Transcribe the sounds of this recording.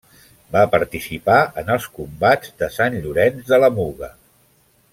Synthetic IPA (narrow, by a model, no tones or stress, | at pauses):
bapəɾt̪isipaʔənəlˠskumbad͡zd̪əsanʎuɾɛnzðələmuɣə